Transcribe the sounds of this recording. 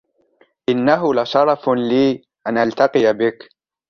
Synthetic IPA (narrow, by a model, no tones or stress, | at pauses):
ʔɪnːaɦʊlaʃɑɾˤɑfliː | ʔanʔalt̪ɑqɨjabɪk